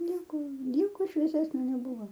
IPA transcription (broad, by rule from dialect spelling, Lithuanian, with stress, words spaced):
ˈnʲiɛkoː ˈnʲiɛkoː ʃʲʋʲiɛˈsʲæːsʲnʲoː nʲɛˈbʊʋoː